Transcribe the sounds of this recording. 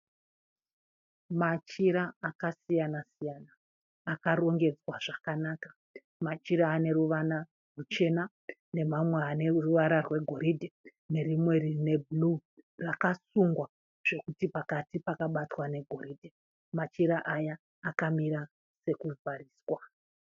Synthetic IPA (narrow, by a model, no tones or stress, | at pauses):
mat͡ʃiɾaːkasijanasijanaː | karo̞ŋɡe̞d͡zwaʐakanaːkḁ | mat͡ʃiɾaːne̞ruʋana | rut͡ʃe̞na | ne̞mamweaneruʋaɾarwe̞ɡʱo̞ɾidʱe | ne̞rimwe̞rine̞bʱulurakasuŋɡwa | ʐ̥e̞kutipakatipakaɓatwane̞ɡʱo̞ɾiːdʱe | mat͡ʃiɾaʔajaː | kamiɾa | se̞kud͡zariːswa